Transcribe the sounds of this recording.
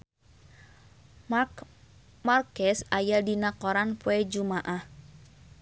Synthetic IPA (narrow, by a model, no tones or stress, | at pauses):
markɛsajadinakɔɾanpuɛd͡ʒumaʔah